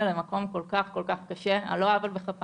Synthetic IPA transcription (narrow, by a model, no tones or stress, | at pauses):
lemako̞mko̞lkaχko̞lkaχkaʃe̞a̰loavalbeχap